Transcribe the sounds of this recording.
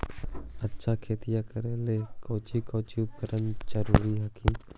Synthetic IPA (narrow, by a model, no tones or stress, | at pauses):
ɐtːʃʰakʰeːt̪ijakəɾelekoːt͡ʃikoːt͡ʃiup̚kəɾənd͡ʒəɾuːɾiɦakʰĩ